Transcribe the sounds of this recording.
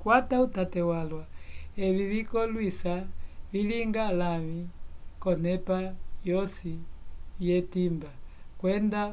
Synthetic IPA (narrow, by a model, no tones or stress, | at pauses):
kwatautatɛwalwaɛβiβikɔlwisaβiliŋɡalamikɔnɛpajɔsijɛtimbakwɛnda